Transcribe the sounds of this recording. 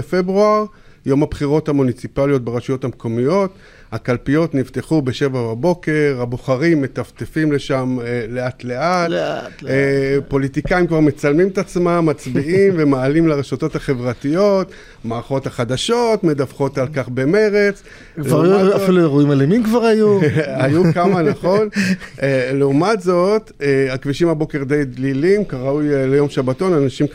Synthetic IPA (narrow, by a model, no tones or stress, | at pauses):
efebʁuaʁ | jo̞mhabχiʁo̞t̪hamunit͡sipaljo̞t̪̚beʁeʃujo̞thamko̞mijo̞t | hakalpijo̞t̪nivt̪e̞χubeʃe̞vababo̞ke̞ʁhaboχaʁimːe̞t̪aft̪efimle̞ʃamleat̪le̞at | po̞lit̪ikaimkvaʁmet͡salmimet̪at͡smamːat͡sbiʔimvemaːlimlaʁeʃoto̞thaχe̞vʁatijo̞t | maːʁaχo̞thaχad̪aʃo̞tme̞dafχo̞talkaχbe̞me̞ʁe̞t͡s | klvauafilueʁuimalemimkvaʁajuajukamanaχo̞neleumatzo̞t̪eakviʃimabo̞ke̞ʁd̪ejd̪lilimkaʁaujlejo̞mʃabato̞nanaʃim